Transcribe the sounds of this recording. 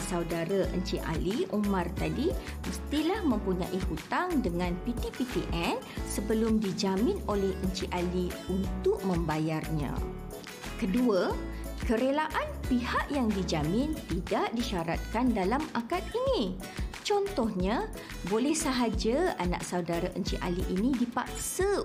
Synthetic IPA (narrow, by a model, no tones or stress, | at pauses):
sauwdaɾaʔə̰ɲt͡ʃiʔa̰liʔumãrt̪adi | məst̪ilahmə̃mpuɲã̰ʔihut̪aŋdəŋãnpit̪ipipiʔɛnsəbəlʊmdid͡ʒamɪ̃nolɛhʔəɲt͡ʃiʔaliunt̪ʊʔ̚mə̃mbajarɲã̰ | kədua | kəɾelaʔanpihaʔjaŋdid͡ʒamɪ̃nt̪idaʔdiʃaɾa̰t̪̚kandalamakat̪̚inĩ | t͡ʃɔnt̪ɔhɲa | bolɛhsəɦad͡ʒaanã̰ʔsaudaɾaʔəɲt͡ʃiʔa̰liʔinĩdipak̚sə